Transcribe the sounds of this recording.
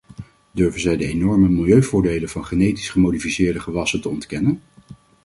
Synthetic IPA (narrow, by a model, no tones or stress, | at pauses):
døɹvənzɛjdəenɔɹməmɪlˠjøɥvʊːɹdejlənvɑnχənejti̥sχəmowdifisɪːɹdəχəʋɑsəntəɔntkɛnən